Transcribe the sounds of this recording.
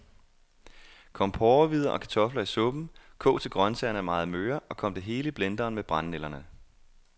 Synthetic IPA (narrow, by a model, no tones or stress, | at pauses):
kʰɒ̽m̰pʰɒːɐʋið̞ˠɐʔɒ̽kʰæ̥t͡sʰɒ̽flɐisɔ̽b̥n̩kʰɔ̰̽ːt͡sʰe̝lɡ̥ʁɶnsɛɐnæmɑ̈ːð̩ˠmøːɐɒ̽kʰɒ̽m̰d̥e̝ɦe̝ːləib̥lend̥ɐːnmeb̥ʁɑ̈nːelɐnə